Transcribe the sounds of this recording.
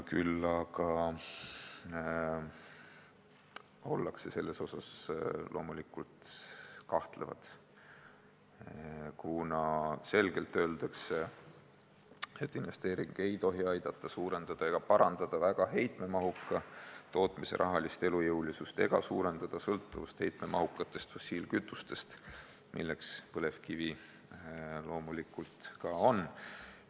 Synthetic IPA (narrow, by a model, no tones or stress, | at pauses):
kylːɑkɑ | o̞lːɑkse̞se̞lːe̞so̞sɑslʔo̞ːmulikːult̪kɑht̪levɑ̰t̪ | kunɑse̞lɡ̥e̞lt̪ːø̞ːld̪̥ɑkse | e̞t̪ːˑinve̞st̪e̞ːɾiŋɡ̥e̞jt̪o̞ɦiɑjd̪̥ɑt̪ˑːɑsuːɾe̞nd̪̥ɑd̪̥ɑe̞ɡ̥ɑpɑɾɑnd̪̥ɑd̪̥ɑvæɡ̥ɑɦe̞jt̪me̞mɑɦukːˑɑt̪o̞ːt̪ˑmise̞̰ɾʔɑ̰ɦɑlist̪e̞lujɤwlisust̪e̞ɡ̥ɑsuːɾe̞nd̪̥ɑd̪̥ɑsɤlt̪ːˑuvust̪he̞jt̪me̞mʔɑ̰ɦukːˑɑt̪ːˑe̞st̪fo̞sʲiːlkyt̪ːˑust̪e̞st̪ | mʔḭlːe̞kspɤle̞fkivi | lo̞ːmulikːult̪kɑo̞n